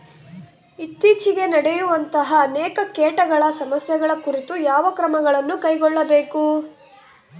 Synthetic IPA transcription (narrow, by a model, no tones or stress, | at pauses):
it̪ːiːt͡ʃiɡe̞nɐɽɛjuʋɐnt̪ɐɦɐːnɛːkɐkeːʈɐɡɐɭɐsɐmɐsjɐɡɐɭɐkuɾit̪ujaːʋɐkɾɐmɐɡɐɭɐnːukɐjɡɔɭːɐbeːku